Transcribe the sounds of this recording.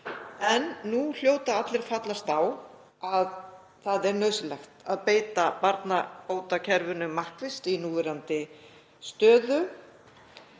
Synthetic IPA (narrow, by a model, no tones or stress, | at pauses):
ɛnːul̥joːwt̪aat̪lɪɾ̥fat̪last̪aw | að | θaðɛɾnœːɥsɪlɛxt̪aðpeːjt̪apaɾt̪napoːwt̪acʰɛɾvʏnʏmːahkvɪst̪inuːvɛɾant̪ɪ | st̪œːðʏ